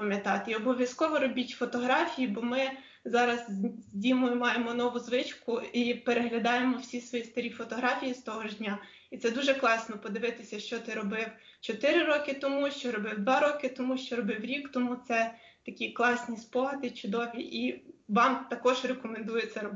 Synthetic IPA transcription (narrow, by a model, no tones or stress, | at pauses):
pɐmʲjɐt̪ɑt̪ɪiɔbɔʋʲjɐskɔʋɔɾɔbʲitʲfɔt̪ɔɦɾɑfʲijibɔmɪ | zɑɾɐzzʲdʲimɔjʊmɑjemɔnɔʋʊzʋɪt͡ʃkʊipeɾeɦlʲɐd̪ɑjemɔwsʲisʋɔjist̪ɐɾʲifɔt̪ɔɦɾɑfʲijist̪ɔɦɔʒdʲnʲa | it̪sɛd̪uʒɛklˠɑsnɔpɔd̪ɪʋɪt̪ɪsʲɐʃt͡ʃɔt̪ɪɾɔbɪw | t͡ʃɔt̪ɪɾɪɾɔkɪt̪ɔmuʃt͡ʃɔɾɔbɪwd̪ʋɑɾɔkɪt̪ɔmuʃt͡ʃɔɾɔbɪwɾʲikt̪ɔmut̪sɛ | t̪ɐkʲiklˠɑsʲnʲispɔɦɐd̪ɪt͡ʃʊd̪ɔʋʲiʔiʋɑmt̪ɐkɔʒɾekɔmend̪ujɛt̪sʲɛɾɔb